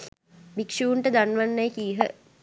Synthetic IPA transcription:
bikʂuːɳʈəd̪anʋanːajkiːɦə̰

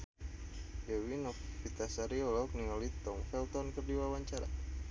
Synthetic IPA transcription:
jewinɔk̚pit̪asaɾiɔlɔk̚niɔlit̪ɔŋfɛlt̪ɔnkərdiwawaɲt͡ʃaɾa̰

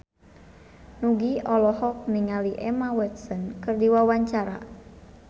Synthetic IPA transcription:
nuɡiɔlɔhɔk̚niŋaliʔɛmawɛt̪̚sənkɨrdiwawaɲt͡ʃaɾa̰

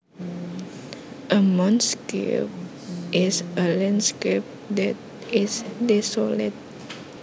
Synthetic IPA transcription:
ʔəmɔ̃nskḛp̚ | ʔɪsəlɛ̃nskep̚d̪ɛt̪̚ | ɪsdisɔlit̪̚

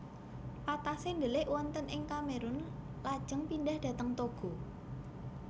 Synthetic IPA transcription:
pat̪asend̪əlɪʔwɔnt̪ənʔɪŋkameɾʊn | lad̥ʒ̥əŋpindahd̥ä̤t̪əŋt̪oɡ̥o̤

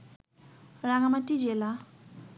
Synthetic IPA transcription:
raŋamaʈ͡ʂid͡ʑela

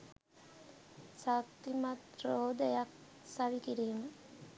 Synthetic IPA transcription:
sakt̪imat̪ɾoːd̪əjak̚ | saʋikiɾiːmə

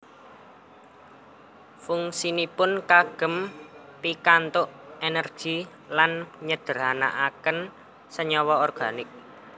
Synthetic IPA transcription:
fuŋsinipʊnkaɡ̥ə̤m | pikant̪ʊʔenɛrɡ̥i̤ | lanɲəd̪̥ə̤ɾana̰ʔakən | səɲɔwɔɔrɡ̥a̤nɪk̚

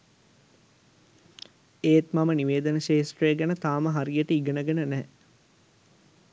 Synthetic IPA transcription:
eːt̪maməniʋeːd̪ənəʃeːsʈreɡɐnət̪aːməɦaɾijəʈəiɡənəɡɐnənɛː

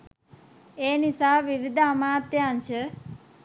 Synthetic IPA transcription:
eːnisaːʋiʋid̪ʱɐmaːt̪jaːnʃə

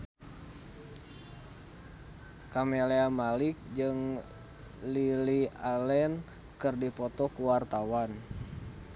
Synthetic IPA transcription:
kameleamalik̚d͡ʒɨŋ | lilialɛn | kɨrdipɔt̪ɔkuwart̪awan

